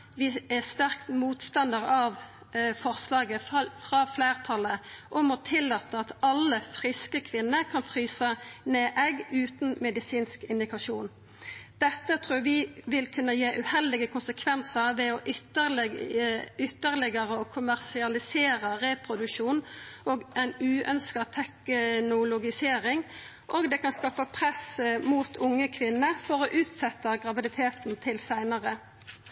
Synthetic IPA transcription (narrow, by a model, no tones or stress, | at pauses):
ʋɪæst̪æʁkt̪muːt̪st̪ɑnd̪əʁɑʋ | fɔʁslɑːɡəfʁɑːfleːʁt̪ʰɑləʔʊmɔt̪ʰɪlːɑt̪əɑt̪ɑlːəfʁɪskəkʰʋɪnːəkʰɑnfʁyːsəneːʔɛɡʉːt̪n̩mɛd̪ɪsiːnskɪnd̪ɪkɑʃuːn | d̪̥ɛt̪ːət̪ʰʁuːʋɪʋɪlkʰʉnːəjeːʔʉːhɛld̪ɪɡəkʊnsəkʰʋɛnsəʁʋɛɔʔʏəl | ʏt̪ːəʁlɪɡəʁəokʰʊmæʁsɪɑlɪseːʁəʁɛpʰʁʊd̪ʉkʃuːnʔoːɡʔɛnʉːœ̰nskɑt̪ʰɛknʊlʊɡɪseːʁɪŋ | ʔoːɡd̪ɛːkɑnskɑːpəpʰʁɛsmuːt̪ʰʊŋːəkʰʋɪnːəfɔʁoʔʉːt̪sɛt̪ːəɡʁɑʋɪd̪ɪt̪ʰeːt̪n̩t̪ʰɪlsæɪnəʁə